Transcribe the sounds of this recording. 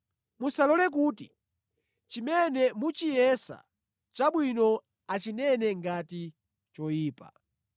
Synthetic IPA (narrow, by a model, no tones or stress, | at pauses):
musalɔlɛk̬uːti | t͡ʃimɛnɛmut͡ʃijɛsa̰ | t͡ʃaɓwinɔ | at͡ʃinɛnɛŋɡati | t͡ʃɔjiːpa̰